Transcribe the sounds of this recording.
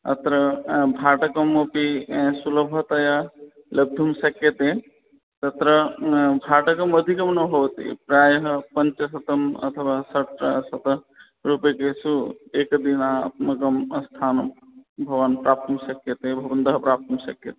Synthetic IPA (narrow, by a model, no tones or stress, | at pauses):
ɐ̰t̪ɾəbʱaːʈɐkəmːɐpisuləbʱət̪ɐja | ləɡ̚d̪ʱumsɐkjət̪e | t̪ɐt̪ɾəbʱaːʈɐkɐmɐd̪ʱikɐmnɐbʱoʋt̪ḭpɾaːjɦpɐnt͡ʃəsɐt̪ɐmɐ̰t̪ʰəʋaːsɐʈsɐt̪ | ɾupekesueːkd̪inaɐ̰t̪mɐkəmst̪ʰaːnbʱɐʋanpɾaːp̚t̪ʰəmsɐkjet̪ebʱɐʋənd̪ɐɦpɾaːp̚t̪ɐmsɐkjət̪e